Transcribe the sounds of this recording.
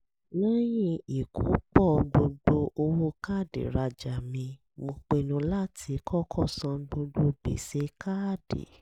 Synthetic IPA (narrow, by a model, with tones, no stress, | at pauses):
nã˦jĩ˦i˨kʰṵ˨˦k͡pɔ˦˨ɡ͡bo˧ɡ͡bo˧ʔo˧wo˦ka˦˨dḛ˨ɾa˨˧d͡ʒa˨mĩ˧ | mo˧k͡pe˧nũ˧la˦tʰi˨˦kʰɔ˦˨kʰɔ˦˨sã˧ɡ͡bo˧ɡ͡bo˧bḛ˨se˨˦kʰa˦˨d̥ḛ˨